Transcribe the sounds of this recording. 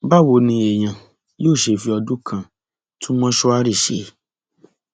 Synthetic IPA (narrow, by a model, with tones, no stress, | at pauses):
ba˦˨wo˨˦nĩ˧e˨j̃ã˨ | joː˦˨ʃe˨fi˧˦ɔ˧dũ˦kʰã˨ | tũ˦mɔ̃˦ʃɔ˦a˦ɾi˦˨ʃḛ˨